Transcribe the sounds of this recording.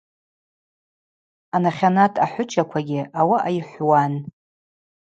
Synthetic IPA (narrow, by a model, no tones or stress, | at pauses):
anaχʲanatʼaħʷʊt͡ʃʰʼakʷʰaɡʲɪawaʔajħʷwan